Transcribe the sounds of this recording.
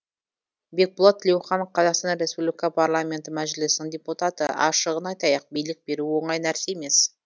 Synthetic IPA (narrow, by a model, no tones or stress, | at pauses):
be̞k̚bʊlˠɑt̪ʰːɪlʲewχɑnəqʰɑzɑqst̪ɑnɾʲe̞spublikɑpʰarlˠamʲe̞nt̪ɪmæʒlɪsnɪɴdʲeput̪at̪əɑ̰ʃəʁənɑjt̪ɑjɑq̚bijlɪk̚b̥e̞ɾuwo̞ɴɑjnæɾse̞eme̞s